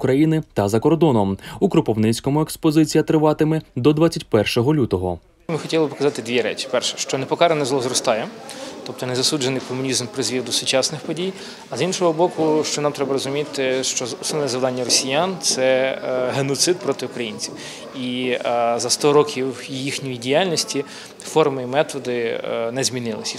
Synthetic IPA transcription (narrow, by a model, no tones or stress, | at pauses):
ʊkɾɐjinɪt̪ɐzɐkɔrd̪ɔnɔmukɾʊpɔwnɪt͡sʲkɔmʊekspɔzɪt͡sʲijɐt̪ɾɪʋɑt̪ɪmɛd̪ɔd̪ʋat͡sʲːɐtʲpɛrʃɔɦɔlʲut̪ɔɦɔ | mɪxɔtʲilˠbpɔkɐzɑt̪ɪd̪ʲʋʲiɾɛ̰t͡ʃi̥pɛrʃɛ̥ʃt͡ʃɔnɛpɔkɑɾenɛzlˠɔzɾɔst̪ɑjɛt̪ɔp̚t̪ɔnɛzɐsud͡ʒenɪjkɔmʊnʲizmpɾɪzʋʲid̪ʊsʊt͡ʃɑsnɪxpɔdʲij | ɐzinʃɔɦɔbɔkʊʃt͡ʃɔnɑmt̪ɾɛbɐɾɔzʊmʲit̪ɪʃt͡ʃɔʊsɪlʲnʲɛzɐʋd̪ɑnʲːɐrɔsʲijant̪sɛɦenɔt̪sɪt̪̚pɾɔt̪ɪʊkɾɐjinʲt͡sʲiw | i | zɐst̪ɔɾɔkʲiwjixnʲijidʲijalʲnʲɔsʲtʲi | fɔrmɪimɛt̪ɔd̪ɪnɛzʲmʲinɪlˠɪ̰sʲ